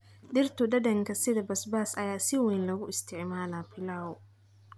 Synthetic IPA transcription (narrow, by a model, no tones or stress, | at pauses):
ɗɪrt̪ʰʊɖɐdɐŋkʰɐsɪðɐbɐsbaːsɐjaːsɪwɛjnlɐɣʊɪst̪ʰɪʕmaːlaːbɪlaːʊ